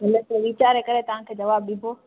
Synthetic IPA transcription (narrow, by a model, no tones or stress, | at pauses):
ɦɐloseʋit͡ɕaːɾekɐɾet̪ɐʋ̤ãkʰeːd͡ʑɐʋaːbɗibʱoː